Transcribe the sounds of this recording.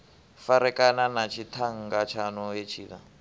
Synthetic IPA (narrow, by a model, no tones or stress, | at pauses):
faɾɛkʼananat͡ʃʰitʰaŋ̩ɡat͡ʃʰanɔjet͡ʃʰiːna̰